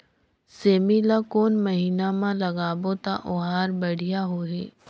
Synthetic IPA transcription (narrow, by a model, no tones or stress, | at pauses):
seːmilakoːnmɐɦiːnamãlɐɡaːbot̪aʔʊɦaːɾbɐɽ̤ijaɦoːɦeː